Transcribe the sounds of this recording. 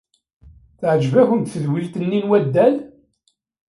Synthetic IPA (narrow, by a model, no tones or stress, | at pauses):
θʕəd͡ʒvæçənt̪θəðwilt̪ənːinwæd̪ːæl